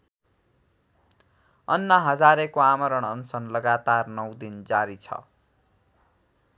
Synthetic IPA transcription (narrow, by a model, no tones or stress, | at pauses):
ʌnːʌɦʌd͡zaɾekoamʌɾʌɽ̃ʌnsʌnlʌɡat̪arnʌwd̪ind͡zaɾit͡sʰʌ̰